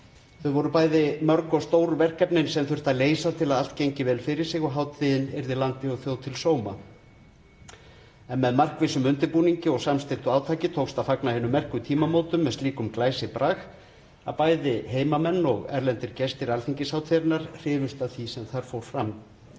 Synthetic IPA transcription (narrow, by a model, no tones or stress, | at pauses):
θœðvɔɾʏpaːjðɪmœɾkɔst̪oːwɾʏvɛr̥kɛpnɪnsɛmθʏr̥t̪aleːjsat̪ʰɪlaðalt̪cejɲcɪvɛːlfɪɾɪɾ̥sɪɣɔɦaːwt̪ʰɪðɪnɛɾðɪlant̪ɪɔɣθjowt̪ʰɪlsoːwma | ɛnmɛðmar̥kvɪsʏmʏnt̪ɪpuːniɲcɪɔɣsamst̪ɪlt̪ʏaːwt̪ʰaːcɪt̪ʰowkst̪afaknahɛnːʏmːɛr̥kʏt̪ʰiːmamoːwt̪ʏmːɛst̪liːkʏmklaːjsɪpɾʔax | a̰ðpaːjðɪɦeːjmamɛnːɔɣɛɾlɛnt̪ɪɾcɛst̪ɪɾalθiɲcɪsawt̪ʰvɛɾnaɾ̥r̥ɪːvʏst̪aðθisɛmθaɾ̥fowɾ̥fɾam